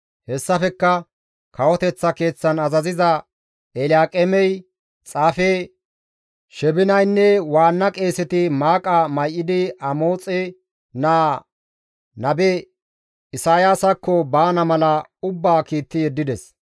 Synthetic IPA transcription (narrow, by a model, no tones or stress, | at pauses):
hɛsːɐfɛkːɐ | kʰɐwɔt̪ɛt͡sːɐke̞ːt͡sːɐnɐzɐzɪzɐ | ɛlɪjaːkʼɛmɛj | t͡sʼaːfe | ʃɛbɪnɐjnːɛwaːnːɐkʼe̞ːsɛt̪ɪmaːkʼɐmɐjʔːɪd̪ɪɐmoːt͡sʼɛ | naː | nɐbɛ | ɪsaːjaːsɐkːɔbaːnɐmɐlɐʊbːaːkiːt̪ːɪjɛd̪ːɪd̪ɛs